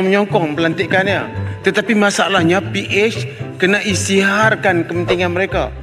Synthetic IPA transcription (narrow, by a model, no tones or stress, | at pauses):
məɲɔŋkɔŋpəlant̪ɪʔkanja̰t̪ət̪apimasalahɲapiʔet͡ʃkənaʔist̪iɦarkankəpənt̪iŋanməɾeka̰